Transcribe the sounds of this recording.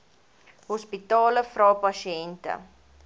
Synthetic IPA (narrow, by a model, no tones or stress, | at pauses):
hɔspitɑːləfrɔpaʃiɛntə̰